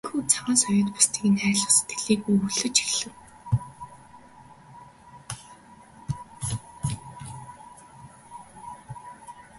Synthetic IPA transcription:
xuːt͡sʰawaːsɔjʊ̆ːt̪pʊ̥st̪ʰiːkiːnæːɮə̆wse̥t̪ɡɘ̆ɮiːɣujɵɮɵ̆t͡ɕxiɮɘ̆w

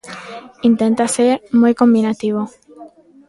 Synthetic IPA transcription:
int̪ent̪aseɾmojkombinat̪iβ̞o

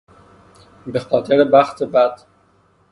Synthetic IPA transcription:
be̞xɒːt̪ʰeɾebæxt̪ʰebæd̪̥

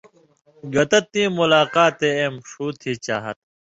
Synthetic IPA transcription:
ɡɐt̪ɐt̪̚nĩːmulaːqaːt̪eeːmʂuːt̪ʰiːt͡ɕa̰ːɦɐ̰t̪̚

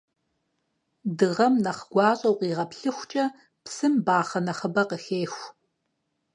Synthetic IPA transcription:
dɨʁɐmnɐχɡʷɑːɕʼɐwqʼiːʁɐpɬɨxʷt͡ʃʼɐ | psɨmbaːχɐnɐχəbɐqəxeːxʷ

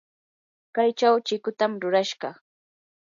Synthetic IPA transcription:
kajt͡ʃawt͡ʃɪkʊt̪amɾʊɾaʃɢɑ

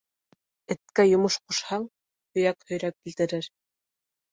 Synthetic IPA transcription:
ɘ̆t̪̚kæjŏmɤʃqŏʃhɑŋ | hɵ̆jækhɵ̆jɾæp̚kilt̪ɘ̆ɾɘɾ

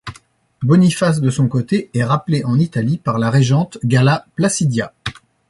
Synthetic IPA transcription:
bɔnifas̬d̪əsɔ̃kot̪eɛʁapleʔɑ̃nit̪alipaʁlaʁeʒɑ̃t̪ɡʲalaplasid̪ja

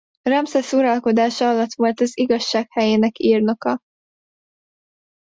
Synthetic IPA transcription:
rɒmsɛsuɾɒlko̞d̪aːʃɒlːɒt̪ʋo̞lt̪ɒziɡɒʃːaːkhɛjeːnɛkiːrno̞kɒ

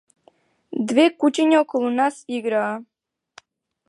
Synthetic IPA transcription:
d̪vekut͡ɕeɲʲaokolˠunasiɡɾaː

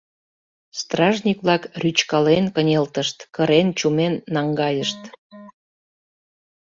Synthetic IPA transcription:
st̪rɑʒnʲikβlɑkryt͡ɕkɑlenkənʲelt̪əʃt̪kəɾent͡ɕumenːɑŋɡɑjəʃt̪

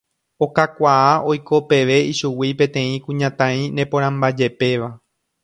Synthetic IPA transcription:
o̞kakʷaaʔo̞jko̞pe̞ʋe̞iʃuwipẽ̞t̪ẽ̞ĩkũɲãt̪ãĩnẽ̞põɾ̃ãmbad͡ʒe̞pe̞ʋa

